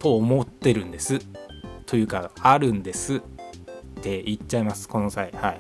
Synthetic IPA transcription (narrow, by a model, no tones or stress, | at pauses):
t̪o̞ːmo̞t̪ːe̞ɾɯ̟̃nd̪e̞sɨt̪o̞jɯ̟ːkaaɾɯ̟̃nd̪e̞sɨ | t̪ːe̞it͡ɕːaimasɨ̥ko̞no̞saihai